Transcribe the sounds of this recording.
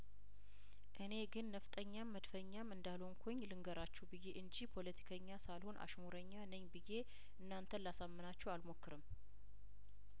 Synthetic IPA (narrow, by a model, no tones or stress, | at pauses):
ʔɨne̞ɡɨnːəft̪ʼəɲːamːəd̪fəɲːamɨnd̪aloŋkʰoɲːlɨŋɡəɾat͡ʃːɛwbɨjːe̞ʔɨɲd͡ʒihpʰo̞lət̪ʰi̥kʰəɲːasalho̞nʔa̰ʃmoɾəɲːanəɲːbɨje̞ | ʔɨnːant̪ʰənlasamːɨnat͡ʃːɛwalmo̞kːɨɾɨm